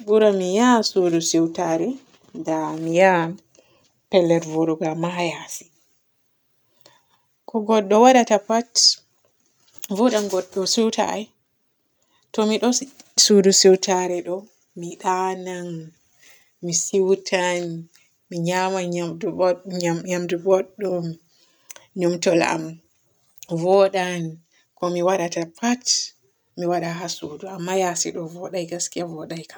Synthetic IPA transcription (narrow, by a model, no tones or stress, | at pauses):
buɾamijasudusiwtaɾɛ | damija | pɛlːɛɾvuɾuɡamajasi̥ | kɔɡɔɗːɔwaɗatapat | vuɗanɡɔɗːɔsiwta̰j | tɔmiɗɔ | sudusiwtʰaɾɛɗɔ | miɗanan | misiwtʰan | miɲamaɲad | ɲamdubɔɗːɔm | ɲɔmtɔla̰m | vɔɗan | kɔmiwaɗatapʰat | miwaɗaɦasuduamːajasḭɗɔvɔɗajɡaskiavɔɗajkʰḁ